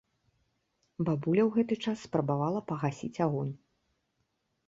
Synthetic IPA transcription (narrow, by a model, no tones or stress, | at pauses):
babulʲɐwɣɛt̪ɨt͡ʂasːpɾɐbavalˠɐpɐɣasʲḭt͡sʲaɣɔnʲ